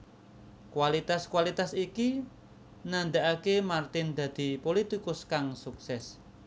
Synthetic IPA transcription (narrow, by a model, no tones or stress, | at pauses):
kwalit̪askuwalit̪asiki | nand̪aʔakemart̪ɪnd̪̥ä̤d̪̥i̤polit̪ikʊskaŋsuksɛs